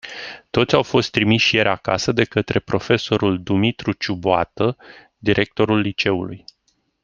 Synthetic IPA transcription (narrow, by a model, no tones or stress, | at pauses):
t̪o̞t̪sʲawfo̞st̪ːɾimiʃije̞ɾʲaka̰səd̪e̞kət̪ɾe̞pɾo̞fe̞so̞ɾuld̪umit̪ɾut͡ʃuboat̪ə | d̪iɾʔe̞k̚t̪o̞ɾulːit͡ʃe̞ṵluj